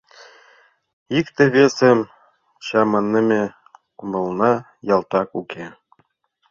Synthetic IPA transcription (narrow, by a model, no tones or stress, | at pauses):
ikt̪ɘ̆βʲesɘm | ɕɑmɤnːɘ̆mʲe | kumɤ̆lˠnɑ | jɑlˠt̪ɑkuke